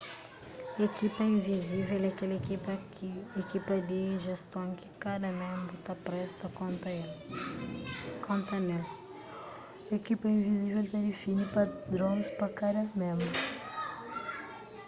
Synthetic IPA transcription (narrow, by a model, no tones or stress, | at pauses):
ekipɐĩviziveɛlakɛlekiɐ | ekipɐd̪eĩʒest̪õŋkɪ̥kad̪ɐmẽmbɾʊt̪apɾɛst̪ɐkõnt̪ɐl | kʰõnt̪ɐnɛ | ekipɐĩvizivelt̪ad̪ɪfinipad̪ɾõspɐkad̪ɐmẽmbɾʊ